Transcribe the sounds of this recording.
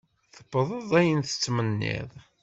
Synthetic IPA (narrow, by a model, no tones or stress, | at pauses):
θə̥bəðˤəðˤæjənθə̥t͡sːmənːḭðˤ